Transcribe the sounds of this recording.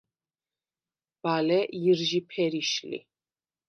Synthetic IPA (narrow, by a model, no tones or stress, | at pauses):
b̥alɛjiɾʒipʰɛɾiʃlḭ